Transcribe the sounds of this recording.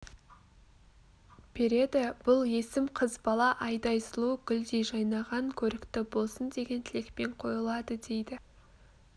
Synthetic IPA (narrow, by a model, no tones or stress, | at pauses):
b̥e̞ɾe̞d̪ɪb̥ʊlˠe̞sɪmqʰəzbɑlˠɑʔɑjd̪ɑjsəlˠuɡʲʏld̪ejʒɑjnɑʁɑŋkʲʰɵɾɪkt̪ɪbo̞lˠsənd̪e̞ɡʲe̞nt̪ʰɪlekpe̞ɴqʰo̞jəlˠɑd̪əd̪e̞jd̪ɪ